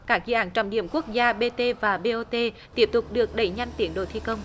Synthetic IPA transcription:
kaː˦˥k̚zɨ̰˧˨ʔaː˧˦nt͡ɕɔ̰˧˨wɗḭ˧˨əmku˦˥ək̚zaː˧ɓe˧t̪e˧vaː˨˩ɓe˧ʔo˧t̪e˧ | t̪i˦˥əp̚t̪ʊ˨˩k͡p̚ɗɨ˨˩ək̚ɗə˨˧˩jɲa˧jŋ̟t̪i˨˦ənɗo̰˧˨jt̪ʰi˧kə˧wŋ͡m

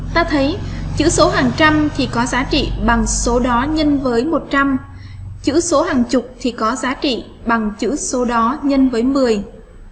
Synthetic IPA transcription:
t̪aː˧t̪ʰə˨˦jt͡ɕɨ̰˧˥so˨˦ɦaː˨˩ŋt͡ɕa˧mt̪ʰi˨˩kɔ˨˦zaː˨˦t͡ɕḭ˧˨ɓa˨˩ŋso˨˦ɗɔ˨˦ɲə˧nvəː˨˦jmo˨˩t̚t͡ɕa˧m | t͡ɕɨ̰˧˥so˨˦ɦaː˨˩ŋt͡ɕʊ˨˩k͡p̚t̪ʰi˨˩kɔ˨˦zaː˨˦t͡ɕḭ˧˨ | ɓa˨˩ŋt͡ɕɨ̰˧˥so˨˦ɗɔ˨˦ɲə˧nvəː˨˦jmɨ˨˩əj

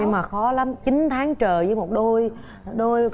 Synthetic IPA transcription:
ɲɨ˧maː˨˩xɔ˨˦la˨˦mt͡ɕi˨˦nt̪ʰaː˨˦ŋt͡ɕəː˨˩zəː˨˦jmo˨˩t̚ɗo˧j | ɗo˧j

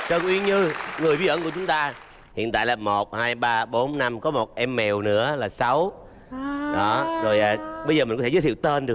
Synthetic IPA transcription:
t͡ɕə˨˩nʔwi˧ənɲɨ˧ŋɨ˨˩vi˨˦ʔəː˧˥˦ŋku˧˩˦t͡ɕʊ˨˦ŋ͡mt̪aː˧ | hḭ˧˨ənt̪a̰ː˧˨jlaː˨˩mo˨˩t̚haː˧jɓaː˧ɓo˨˦nna˧mkɔ˨˦mo˨˩t̚ʔɛ˧mːɛ˨˩wnɨ̰˧˥əlaː˨˩sa˨˦w | ɗɔ˨˦zo˨˩jʔa˨˩ɓə˧jzəː˨˩mi̟˨˩kɔ˦˥˧zəː˨˦t̪ʰi˧˨wt̪e˧nɗɨ˨˩ək̚

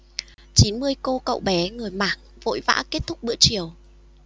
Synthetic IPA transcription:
t͡ɕi˨˦nmɨ˧əjko˧kə̰˧˨wɓɛ˨˦ŋɨ˨˩əjmaː˨˩k̚vo̰˧˨jva̰ː˧˥ke˦˥t̚t̪ʰʊ˦˥k͡p̚ɓɨ̰˧˥ət͡ɕi˨˩əw

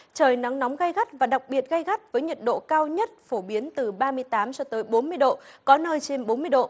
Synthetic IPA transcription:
t͡ɕəː˨˩jna˨˦ŋnɔ˨˦wŋ͡mɣa˧jɣa˦˥t̚vaː˨˩ɗa˨˩k͡p̚ɓi˨˩ət̚ɣa˧jɣa˦˥t̚vəː˨˦jɲə˨˩t̚ɗo̰˧˨kaː˧wɲə˦˥t̚fo˧˩ɓi˨˦ənt̪ɨ˨˩ɓaː˧mɨ˧əjt̪aː˨˦msɔ˧t̪əː˨˦jɓo˨˦nmɨ˧əjɗo̰˧˨kɔ˨˦nəː˧jt͡ɕe˧nɓo˨˦nmɨ˧əjɗo̰˧˨

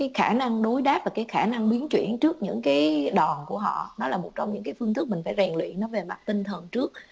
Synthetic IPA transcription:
kaː˨˦jxaː˧˩na˧ŋɗo˨˦jɗaː˦˥p̚vaː˨˩kaː˨˦jxaː˧˩na˧ŋɓi˨˦ənt͡ɕwḭ˧˩˨ənt͡ɕɨ˦˥ək̚ɲɨ̰˧˥ŋkaː˨˦jɗɔ˨˩nku˧˩əɦɔ̰˧˨nɔ˨˦laː˨˩mo˨˩t̚t͡ɕɔ˧wŋ͡mɲɨ̰˧˥ŋkaː˨˦jfɨ˧ənt̪ɨ˦˥k̚mï˨˩ŋ̟faː˧˩jzɛ˨˩ŋlwḭ˧˨nɔ˨˦ve˨˩ma˨˩t̚t̪ï˧ŋt̪ʰə˨˩ŋt͡ɕɨ˦˥ək̚

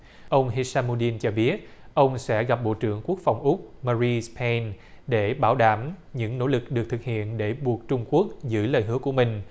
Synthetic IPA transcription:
ʔə˧wŋ͡mɦi˧saː˧nmo˧ɗi˧nt͡ɕɔ˧ɓi˦˥ət̚ʔə˧wŋ͡msɛ̰˧˥ɣa˨˩p̚ɓo̰˧˨t͡ɕɨ̰˧˩əŋku˦˥ək̚fa˨˩wŋ͡mʔʊ˦˥k͡p̚maː˧zi˧spʰɛ˧n | ɗe˧˩ɓaː˧˩˦wɗaː˧˩mɲɨ̰˧˥ŋno̰˧˥˦lɨ˨˩k̚ɗɨ˨˩ək̚t̪ʰɨ˨˩k̚hḭ˧˨ənɗe˧˩ɓu˨˩ək̚t͡ɕʊ˧ŋ͡mku˦˥ək̚zɨ̰˧˦əjləː˨˩jɦɨ˨˧˦əku˧˩əmï˨˩ŋ̟

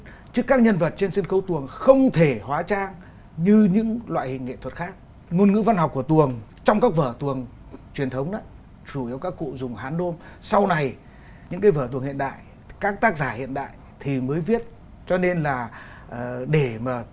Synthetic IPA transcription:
t͡ɕɨ˦˥kːaː˦˥k̚ɲə˧nvə˨˩t̚t͡ɕe˧nsi˧nxə˨˦wt̪u˨˩əŋxə˧wŋ͡mt̪ʰe˧˩hwaː˨˦t͡ɕaː˧ŋ | ɲɨ˧ɲɨ̰˧˥ŋlwa̰ː˧˨jhḭ̈˨ŋːḛ˧˨t̪ʰwə˨˩t̚xaː˦˥k̚ | ŋo˧nŋɨ̰˧˥va˧nɦɔ˨˩k͡p̚ku˧˩ət̪u˨˩əŋt͡ɕɔ˧wŋ͡mkaː˦˥k̚vəː˧˩t̪u˨˩əŋ | t͡ɕwi˨˩ənt̪ʰə˨˦wŋ͡mna˨˦ | t͡ɕu˧˩i˨˦wkaː˦˥kːṵ˧˨zʊ˨˩ŋ͡mhaː˨˦nːo˧msa˧wna˨˩j | ɲɨ̰˧˥ŋkaː˨˦jvəː˧˩t̪u˨˩əŋhḭ˧˨ənɗa̰ː˧˨j | kaː˦˥k̚t̪aː˦˥k̚zaː˧˩hḭ˧˨ənɗa̰ː˧˨j | t̪ʰi˨˩məː˨˦jvi˦˥ət̚ | t͡ɕɔ˧ne˧nlaː˨˩˨ | ɗe˧˩maː˨˩

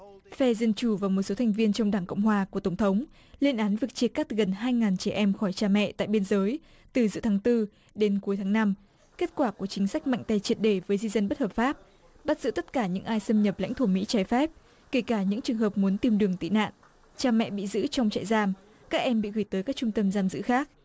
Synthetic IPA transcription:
fɛ˧zə˧nt͡ɕu˧˩vaː˨˩wmo˨˩t̚so˨˦t̪ʰa˨˩jŋ̟vi˧ənt͡ɕɔ˧wŋ͡mɗaː˧˩ŋko̰˧˨wŋ͡mhwaː˨˩ku˧˩ət̪ə˧˩ŋ͡mt̪ʰə˨˦wŋ͡m | li˧ənʔaː˨˦nvɨ˨˩ək̚t͡ɕi˧˨əkːa˦˥t̚ɣə˨˩nɦaː˧jŋaː˨˩nt͡ɕɛ˧˩ʔɛ˧mxɔ˧˩jt͡ɕaː˧˩mɛ̰˧˨t̪a̰ː˧˨jɓi˧ənzəː˨˦j | t̪ɨ˨˩zɨ̰˧˥t̪ʰaː˨˦ŋt̪ɨ˧ | ɗe˨˦nku˨˦jt̪ʰaː˨˦ŋna˧m | ke˦˥t̚kwaː˧˩ku˧˩ət͡ɕï˨˦ŋ̟sa˦˥jk̟̚ma̰˧˨jŋ̟t̪a˧˩jt͡ɕi˧˨˩ət̚ɗe˧˩vəː˨˦jzi˧zə˧nɓə˦˥t̚hə˨˩p̚faː˦˥p̚ | ɓə˦˥t̚zɨ̰˧˥t̪ə˦˥t̚kaː˧˩ɲɨ̰˧˥ŋʔaː˧jsə˧mɲə˨˩p̚la̰˧˥jŋt̪ʰu˧˩mḭ˧˥t͡ɕaː˨˦jfɛ˦˥p̚ | ke˧˩kaː˧˩ɲɨ̰˧˥ŋt͡ɕɨ˨˩əŋɦə˨˩p̚mu˨˦ənt̪i˧mɗɨ˨˩əŋt̪ḭ˧˨na̰ː˧˨n | t͡ɕaː˨˧˩mɛ̰˧˨ɓḭ˧˨zɨ̰˧˥t͡ɕɔ˧wŋ͡mt͡ɕa̰ː˧˨jzaː˧m | kaː˦˥k̚ʔɛ˧mɓḭ˧˨ɣɨ˧˩jt̪əː˨˦jkaː˦˥k̚t͡ɕʊ˧ŋ͡mt̪ə˧mzaː˧mzɨ̰˧˥xaː˦˥k̚

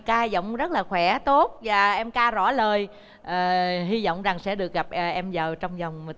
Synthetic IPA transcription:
kaː˧zɔ̰˧˨wŋ͡mzə˦˥t̚laː˨˩xwɛ˧˩˦t̪o˦˥t̚vaː˨˩ʔɛ˧mkaː˧zɔ̰˧˥ləː˨˩j | ʔəː˨˩ɦi˧zɔ̰˧˨wŋ͡mza˨˩ŋsɛ̰˧˥ɗɨ˨˩ək̚ɣa˨˩p̚ʔʔɛ˧mzəː˨˩wt͡ɕɔ˧wŋ͡mzɔ˨˩wŋ͡m

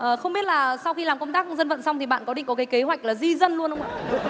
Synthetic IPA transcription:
ʔəː˨˩xə˧wŋ͡mɓi˦˥ət̚laː˨˩sa˧wxi˧laː˨˩mkə˧wŋ͡mt̪aː˦˥k̚zə˧nvə̰˧˨nsa˧wŋ͡mt̪ʰi˨˩ɓa̰ː˧˨nkɔ˨˦ɗï˨ŋ̟kɔ˨˦kaː˨˦jke˨˦ɦwa˨˩jk̟̚laː˨˩zi˧zə˧nlu˧ənhə˧wŋ͡ma̰ː˧˨

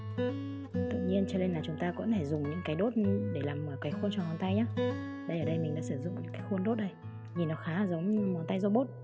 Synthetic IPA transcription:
t̪ɨ̰˧˨ʔ̚ɲi˧ənt͡ɕɔ˧le˧nlaː˨˩t͡ɕʊ˨˦ŋ͡mt̪aː˧kɔ̰˧˥nt̪ʰe˧˩zʊ˨˩ŋ͡mɲɨ̰˧˥ŋkaː˨˦ɗo˦˥t̚ɗe˧˩laː˨˩mʔəː˨˩kaː˨˦jxu˧ənt͡ɕɔ˧˩mɔ˨˩nt̪a˧jɲaː˦ | ɗə˧jʔəː˨˩ɗə˧jmï˨˩ŋ̟ɗa̰ː˧˥sɨ˧˩zʊ̰˧˨ŋ͡mɲɨ̰˧˦˥kaː˨˦jxu˧ənɗo˦˥t̚ɗə˧j | ɲi˨˩nːɔ˨˦xaː˨˦˨zə˨˦wŋ͡mmɔ˨˦nt̪a˧jzɔ˧ɓo˦˥t̚

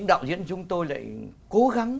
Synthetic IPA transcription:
ŋɗa̰ː˧˨wzḭ˧˥ənt͡ɕʊ˨˦ŋ͡mt̪o˧jla̰ː˧˨jko˨˦ɣa˨˦ŋ

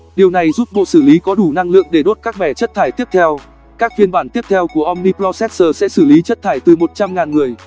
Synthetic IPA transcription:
ɗi˨˩əwna˨˩jzuː˦˥p̚ɓo̰˧˨sɨ˧˩li˨˦kɔ˨˦ɗu˧˩na˧ŋlɨ̰˧˨əŋɗe˧˩ɗo˦˥t̚kaː˦˥k̚ɓɛ˧˩t͡ɕə˦˥t̚t̪ʰaː˧˩jt̪i˦˥əp̚t̪ʰɛ˧w | kaː˦˥k̚fi˧ənɓaː˧˩nt̪i˦˥əp̚t̪ʰɛ˧wku˧˩əʔɔ˧mni˧plɔ˧sɛ˦˥t̚səː˨˩sɛ̰˧˥sɨ˧˩li˨˦t͡ɕə˦˥t̚t̪ʰaː˧˩jt̪ɨ˨˩mo˨˩t̚t͡ɕa˧mŋaː˨˩nŋɨ˨˩əj

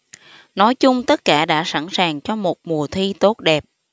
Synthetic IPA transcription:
nɔ˨˦jt͡ɕʊ˧ŋ͡mt̪ə˦˥t̚kaː˧˩ɗa̰ː˧˥sa̰˧˥˩nsaː˨˩ŋt͡ɕɔ˧mo˨˩t̚mu˨˩ət̪ʰi˧t̪o˦˥t̚ɗɛ˨˩p̚

